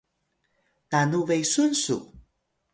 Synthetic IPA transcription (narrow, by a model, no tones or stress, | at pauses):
tanuvejsunsṵ